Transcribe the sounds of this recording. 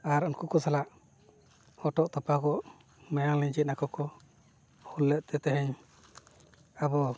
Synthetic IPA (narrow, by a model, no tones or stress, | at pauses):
aɾunkukɔsalaʔ | hɔʈɔʔt̪ɔpakɔʔ | majaŋliɲd͡ʒit̪̚nakɔkɔ | hulːɛt̪̚t̪ʰɛt̪ɛɦɛɲ | abɔ